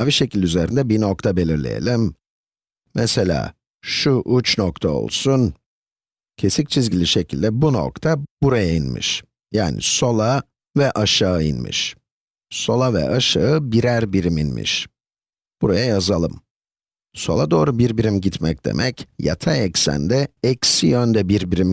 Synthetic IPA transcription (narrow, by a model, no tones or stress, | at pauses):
aviʃe̞cilʲyze̞ɾind̪ɛbino̞k̚t̪ʰabe̞lʲiɾlʲḛjḛlʲim | mɛse̞lʲa̰ː | ʃuʔut͡ʃnokt̪ʰao̞̰lˠsun | cʰe̞sic̚t͡ʃʰizɟilʲiʃe̞cʰilʲd̪ɛbuno̞̰kt̪ʰabuɾajainmḭʃ | jaːnḭso̞lˠa | vɛʔaʃaɯḭnmḭʃ | so̞lˠavɛ̰ʔaʃaɯbiɾæɾbiɾiminmḭʃ | b̥uɾajajazalˠɯm | so̞lˠad̪o̞ːɾubiɾbiɾimɟit̪mɛc̚d̪̥e̞̰mʔɛcja̰t̪ʰaɛcsæ̰nd̪ɛɛcsijønd̪ɛbiɾbiɾim